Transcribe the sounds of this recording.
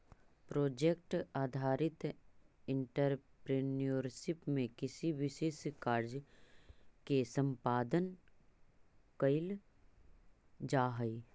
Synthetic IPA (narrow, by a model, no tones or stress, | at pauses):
pɾoːd͡ʒekʈaːd̪ʱaːɾɪt̪ɪ̃ɳʈəɾpɾeːnijoɾʃɪpmẽkɪsiʋɪʃeːskaːɾd͡ʒ | kesə̃mpaːd̪ən | kəɪl | d͡ʒaːɦəi